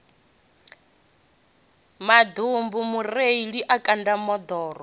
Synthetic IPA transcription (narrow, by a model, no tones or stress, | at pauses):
mad̪umbumureiɺiʔakʼandamɔd̪ɔːɾɔ